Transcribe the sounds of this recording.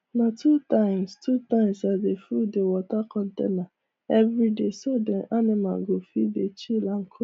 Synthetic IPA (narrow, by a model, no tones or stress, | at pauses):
nãtʰutãɪ̃mstutãɪ̃msadefudewɔtakɔ̃ntḛna | ɛvɾidesodɛ̃ʔanĩmã̰ɡofibet͡ʃilaŋ̩kʰo